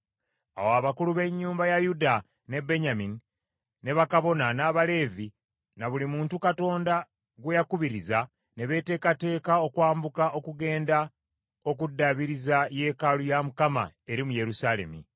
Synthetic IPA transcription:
a̰woaβakuluβe̞ɲːuːmbajajuda | ne̞be̞ɲamini | ne̞βakaβo̞nanaβale̞ːvi | naβulimuːntukato̞ːnda | ɡwejakuβiɾiza | ne̞βe̞ːte̞ːkate̞ːkao̞kwaːmbukaʔo̞kuɡe̞ːnda | o̞k̬udːaβiɾizaje̞ːkalujamukama̰e̞ɾimuje̞ɾusale̞̰mḭ

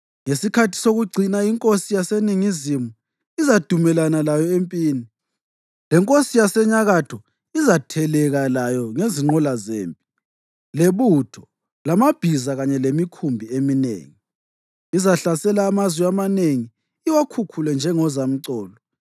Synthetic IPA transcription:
ŋesikʰatʰi̥soɣuɡ͡ǀʱinaiŋkʼosijaseniŋizimu | izad̥ʱumɛlanalajɔempʼiːni | lɛŋkʼosijasɛɲaɣatʰɔ | izatʰɛlɛɣalajɔŋeziŋ͡ǃɔlazḛːmpʼi̥ | leβutʰɔ̥ | lamab̥ʱizaɣaɲɛlemikʰumbʱieminḛːŋi | izaɬasɛlaːmazwiamaneŋiː | wakʰukʰulɛnd͡ʒʱɛŋɔzam̩ǀɔːlɔ

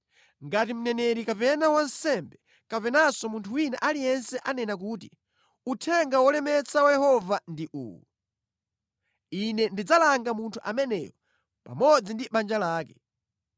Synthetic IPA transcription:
ŋɡatim̩nɛnɛɾikapɛnawansɛmbɛ | kapɛnasɔmuntʰuwinaʔalijɛnsɛʔanɛnak̬uːti | utʰɛŋɡawɔlɛmɛt͡sawajɛhɔvandiʔṵːwu | inɛndid͡zalaŋɡamuntʰuʔamɛnɛ̰ːjɔ | pa̰mɔd͡zindiɓand͡ʒalaːkɛ

